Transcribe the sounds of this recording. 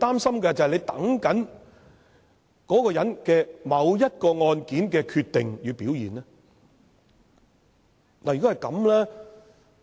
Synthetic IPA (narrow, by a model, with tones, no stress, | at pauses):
t̪aː˥msɐ˥mkɛ˧t͡sɐ˨hɐ˨jle˨˧jt̪ɐ̰˨˥ŋkɐ˨˥n | kɔː˨˥kɔː˧jɐ˨˥nkɛː˧mɐ˨˧wjɐ˥t̚kɔː˧ŋɔː˧nkiː˨˥nkɛː˧kʰyː˧t̪ːɪ˨ŋjyː˨˧piː˨˥wjiː˨nlɛː˥ | naː˨jyː˨˩kɔ˥ɦjkɐ˨˧mlɛː˥